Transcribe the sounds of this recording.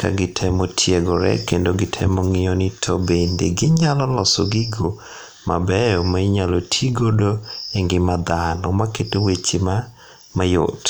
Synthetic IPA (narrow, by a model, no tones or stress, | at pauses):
ka̰ɡɪtʰɛmɔtʰjeɡɔɾɛ̰kendoɡɪtʰɛ̰mɔŋɪɔnɪtʰobendeɡɪɲalɔlɔsoɡɪɡo | ma̰bɛjɔmaiɲalotʰiɡodoeŋɡɪmad̪anɔmaketowet͡ʃima | majo̰t